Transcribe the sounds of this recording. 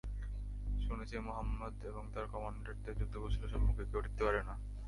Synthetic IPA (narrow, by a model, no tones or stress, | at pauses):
ʃunet͡ɕʰemoɦamːod̪eboŋt̪aɾkɔmaɳɖeɾt̪ed͡ʑut̪ːoboʃiloʃɔmːukʰekeoʈʰit̪ːepaɾena